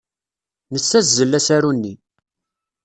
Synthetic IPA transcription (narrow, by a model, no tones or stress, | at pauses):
nət͡sːæszəlːæsæɾunːi